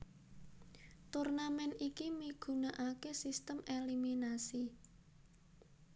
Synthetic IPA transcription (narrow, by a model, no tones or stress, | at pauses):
t̪urnamɛnikimiɡ̥ṳnaʔakesist̪əmeliminasi